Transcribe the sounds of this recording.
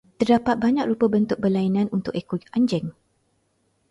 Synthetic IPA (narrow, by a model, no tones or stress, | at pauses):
t̪ərdapat̪̚baɲãk̚ɾupəbənt̪ʊk̚bəlainãnunt̪ʊkekoʔand͡ʒɛŋ